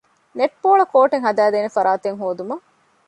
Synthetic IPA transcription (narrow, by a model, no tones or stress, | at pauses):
neʈ̚poːɭɐkoːʈeŋɦɐd̪æːd̪eːnefɐɾaːt̪eŋɦoːd̪umɐ